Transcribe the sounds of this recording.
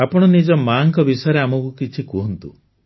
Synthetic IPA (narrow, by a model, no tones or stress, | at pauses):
apɔɽ̃ɔnid͡ʒɔmaːŋkɔbisɔjɔɾeamɔkukit͡ʃʰikuɦɔnt̪u